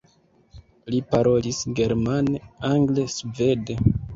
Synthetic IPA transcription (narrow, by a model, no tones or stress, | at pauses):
lipaɾo̞lisɡe̞ɾmaneaŋɡlesve̞de